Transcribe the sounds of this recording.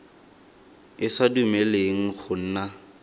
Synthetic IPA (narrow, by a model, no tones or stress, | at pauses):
ɪsadumeleŋ̩χʊn̩ːna